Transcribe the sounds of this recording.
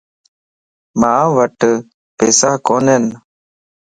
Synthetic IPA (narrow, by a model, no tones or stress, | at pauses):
maːʋəʈ | peːsaːkoːneːn